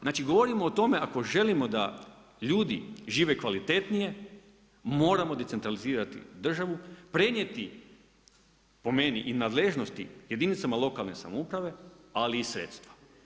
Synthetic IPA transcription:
znaːt͡ʃiɡo̞ʋo̞ɾimo̞ːt̪o̞me̞ako̞ʒe̞limo̞d̪a | ʎuːd̪iʒiːʋe̞kʋalit̪e̞t̪nije̞ | mo̞ːɾamo̞d̪ese̞nt̪ɾaliziːɾat̪ḭd̪r̩ʒaʋupɾe̞nje̞t̪i | po̞me̞niʔinaːd̪le̞ʒno̞st̪ije̞d̪init̪samalˠo̞kalˠne̞sa̰moupɾaʋe̞aliːsɾḛt̪st̪ʋḁ

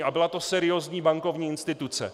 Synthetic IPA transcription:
ʔabɪlat̪o̞sɛɾɪjoːzɲiːbaŋko̞vɲiːɪnst̪ɪt̪ut͡sɛ̰

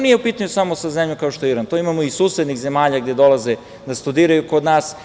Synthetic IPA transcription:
nije̞upiːt̪aɲusamo̞sazemʎoŋkaoʃt̪ojeiɾant̪oimamoisuːsed̪nixze̞maːʎaɡd̪e̞d̪o̞lˠaze | d̪ast̪ud̪iːɾajuko̞d̪naːs

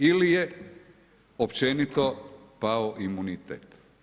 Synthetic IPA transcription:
ilije | opt͡ʃenit̪o̞paoʔimunit̪ḛːt̪

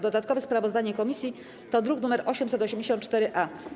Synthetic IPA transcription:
d̪ɔd̪at̪̚kɔvɛspɾavɔzd̪aɲɛkɔmʲisʲji | t̪ɔd̪ɾuknumɛɾʔɔɕɛmsɛt̪ɔɕemd͡ʑeɕɔnt̪t͡ʂt̪ɛɾɘʔa

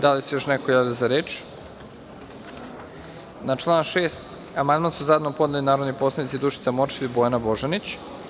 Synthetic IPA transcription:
d̪alisejo̞ʃnekojaːʋʲiozaɾeːt͡ʃ | nat͡ʃlˠaːnʃeːst̪ | amand̪mansuzad̪nopo̞d̪nelinaːɾod̪nipo̞slˠad̪it̪sid̪uʃi̥t̪samot͡ʃilibojanabo̞ʒanit͡ɕ

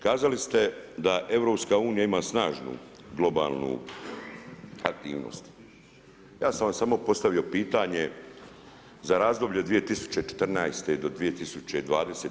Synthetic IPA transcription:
kaːzalist̪e̞d̪aʔe̞ʋɾo̞ːpskauːnijaimaːsnaːʒnṵ | ɡlo̞ba̰ːlˠnṵ | ak̚t̪ḭːʋno̰st̪ | jaːsamʋamsamo̞po̞st̪aʋio̞piːt̪aɲe̞ | zaɾaːzd̪o̞bʎed̪ʋije̞t̪isu̥t͡ɕet͡ʃe̥t̪rnajst̪eid̪o̞d̪ʋije̞t̪isut͡ɕe̞id̪ʋaːd̪eseː

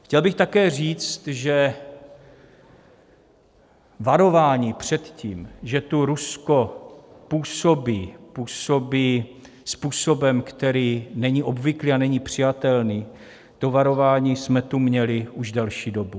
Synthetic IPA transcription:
xcɛlbɪxt̪akɛːr̝iːt͡st̪ʒɛ | vaɾo̞vaːɲiːpr̝̥ɛt̪ciːmʒɛt̪uɾusko̞puːsobiːpuːsobiː | spuːso̞bɛmkt̪ɛɾiːnɛɲiʔobvɪkliːanɛɲiːpr̝̥ɪjat̪ɛlniː | t̪ovaɾo̞vaːɲiːsmɛt̪umɲɛlɪuʒdɛlʃiːdo̞bu

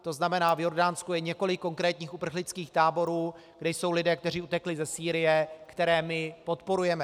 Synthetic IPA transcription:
t̪o̞znamɛnaːvjo̞ɾdaːnskujɛɲɛko̞lɪkːo̞ŋkɾɛːt̪ɲiːxʔupr̩xlɪt͡skiːxt̪aːbo̞ɾuː | ɡdɛjso̞wlɪdɛːkt̪ɛr̝iut̪ɛklɪzɛsiːɾɪjɛkt̪ɛɾɛːmɪpo̞t̪po̞ɾujɛmɛ

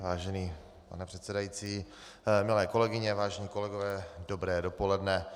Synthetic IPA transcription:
vaːʒɛniː | pa̰nɛpr̝̥ɛt̪sɛdajit͡siː | mɪlɛːko̞lɛɡɪɲɛvaːʒɛɲiːko̞lɛɡovɛːdo̞bɾɛːdopolɛdnɛ

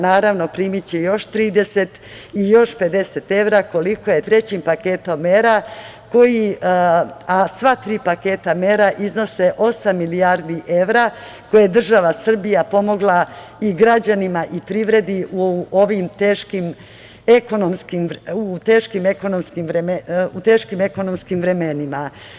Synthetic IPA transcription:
naːɾaʋno̞pɾimit͡ɕejo̞ʃt̪ɾiːd̪e̞se̞t̪ijo̞ʃpe̞d̪e̞set̪e̞ʋɾako̞liko̞jet̪ɾe̞t͡ɕimpake̞ːt̪o̞mːeɾa | ko̞ji | asʋat̪ɾiːpake̞ːt̪ameɾaʔizno̞se̞ʔo̞samːilijaɾd̪iʔe̞ʋɾa | ko̞jed̪r̩ʒaʋasr̩bijapo̞mo̞ɡlˠa | iɡɾad͡ʑanimaʔipɾiʋɾe̞d̪iuoʋimt̪eːʃkim | eko̞nomskimut̪e̞ːʃkimeko̞nomskimɾemeut̪e̞ːʃkime̞ko̞no̞mskimʋɾe̞me̞nima

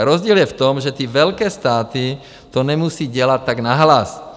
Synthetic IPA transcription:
ɾɔzɟiːljɛft̪ɔmʒɛt̪iːʋɛlkɛːst̪aːt̪i | t̪onɛmusiːɟɛlatt̪ːaɡnaɦlas

